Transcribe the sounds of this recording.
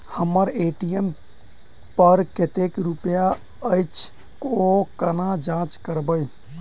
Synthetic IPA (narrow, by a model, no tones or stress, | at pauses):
həmːəɾeʈiem | pəɾket̪ekɾupja | əjt͡ʃʰ | kokənad͡ʒãt͡ʃkəɾbəj